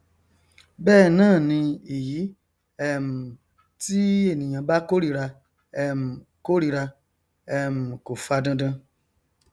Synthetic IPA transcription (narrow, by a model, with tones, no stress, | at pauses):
bɛː˦˨nãː˦˨nĩ˧e˨ji˨˦ | ɛ˦˨m̩˨ | ti˦e˦˨nĩ˨j̃ã˧ba˦ko˦ɾi˦ɾa˧ | ɛ˦˨mũ˨ko˦ɾi˦ɾa˧ | ɛ˦˨mũ˨ko˨fa˧dã˧dã˧